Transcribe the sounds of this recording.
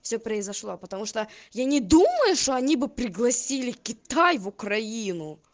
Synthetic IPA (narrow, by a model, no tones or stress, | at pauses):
fsʲɵpɾəɪzɐʂlˠo̞pət̪ɐmuʂt̪ojanʲɪd̪uməjʊʂt̪o̞ɐnʲibɨpɾʲɪɡlˠɐsʲilʲɪkʲɪt̪ajvʊkɾɐinʊ